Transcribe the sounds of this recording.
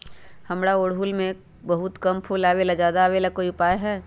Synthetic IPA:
hɐmɽaoːɽɦulmẽ | bɐɦʊt̪kɐmpʰulaːʋelad͡ʒjaːd̪aːʋelakoːiʊpaːjɦɛː

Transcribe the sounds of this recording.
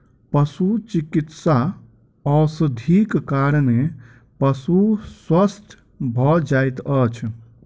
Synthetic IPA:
pəsut͡ʃikit̪sa | ɔsəd̪ʱikkaɾne | pəsuswəst̪ʰ | bʱɔd͡ʒajt̪ət͡ʃʰ

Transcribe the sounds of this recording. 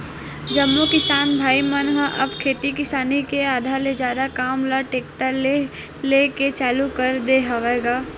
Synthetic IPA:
d͡ʒɐmːukɪsaːnbʱaːimənɦə̃ʔɐbkʰeːt̪ikɪsaːnikeaːd̪ʱaːɾled͡ʒaːd̪akaːmlaʈeːkʈəle | leːket͡ʃaːlukɐɾd̪eɦaʋeɡaː

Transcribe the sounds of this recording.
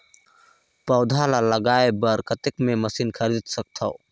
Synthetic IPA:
pɐwd̪ʱalalɐɡajebɐɾkɐt̪ek̚memɐsinkʰɐɾit̪sɐk̚t̪ʰɐ̰w

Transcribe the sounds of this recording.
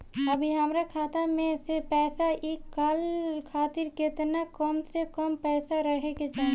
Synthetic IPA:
ɐbʱiɦəmɾakʰaːt̪amẽsepɛːsaʔeːkːaːlkʰaːt̪ɪɾkɪt̪nakɔmsekɔmpɛːsaɾəɦeked͡ʒaː

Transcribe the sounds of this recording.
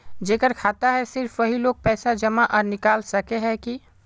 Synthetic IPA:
d͡ʒeːkəɾkʰaːt̪aɦɛsɪɾfʋɐɦiloːɡ̚pɛːsad͡ʒɐmaʔɔːɾnɪkaːlsɐkeɦɛki

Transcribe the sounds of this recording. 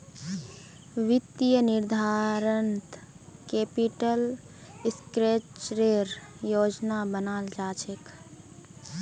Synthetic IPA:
ʋit̪ijəniɾd̪ʱaɾənt̪ | kepiʈəl | skɾet͡ʃɾeɾjoːd͡ʒnabənald͡ʒat͡ʃʰek

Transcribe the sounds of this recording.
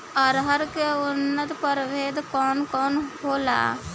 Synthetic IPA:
ɔɾɦəɾkeʊnːət̪pəɾʋeːd̪kɔːnkɔːnɦoːla̰ː

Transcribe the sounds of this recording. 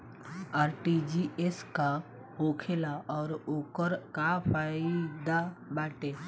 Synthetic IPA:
aːɾʈid͡ʒieska | ɦoːkʰelaɔːɾoːkəɾkapaɪd̪abaːʈe

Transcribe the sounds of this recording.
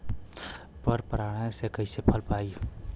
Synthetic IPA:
pəɾpɾaɽ̃asekəɪsepʰəlpai

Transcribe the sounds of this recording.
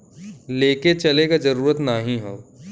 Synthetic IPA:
leːket͡ʃɐlekazɐɾuːɾət̪naːɦĩɦõː

